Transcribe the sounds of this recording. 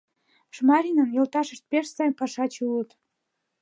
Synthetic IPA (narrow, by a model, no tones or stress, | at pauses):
ʃmɑɾʲinənjolt̪ɑʃə̆ʃt̪̚peʃsɑjmpɑʃɑt͡ɕulət̪